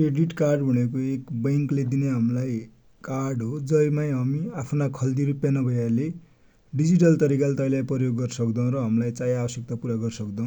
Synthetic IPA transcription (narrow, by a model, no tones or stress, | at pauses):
kreɖiʈkarɖbʱʌnekoekbʌŋkled̪ineɦamlaj | karɖɦod͡zʌjmaj̃ɦʌmiapʰnakʰʌld̪iɾupjanʌbʱʌjale | ɖid͡ziʈʌlt̪ʌɾikalt̪ʌilajpʌjoɡːʌrsʌkd̪ʌw̃ɾʌɦʌmlajt͡sajabʌsjʌk̚t̪apuɾaɡʌrsʌkd̪ʌw̃